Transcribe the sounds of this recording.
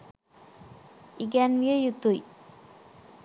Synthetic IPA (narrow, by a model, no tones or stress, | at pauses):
iɡænʋiəjut̪uj